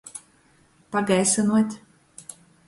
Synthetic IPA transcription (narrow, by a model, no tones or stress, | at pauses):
paɡajsɨnuɔt̪ʲ